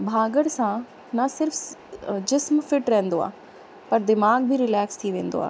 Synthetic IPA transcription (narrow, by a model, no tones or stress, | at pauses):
bʱaːɡəɽsã | nɐsɪɾfd͡ʑɪsmfɪʈɾɐɦɛ̃nd̪oa̰ː | pɐɾd̪ɪmaːɡ̚bʱiɾɪlɛːkst̪ʰiʋẽːnd̪o̰a̰ː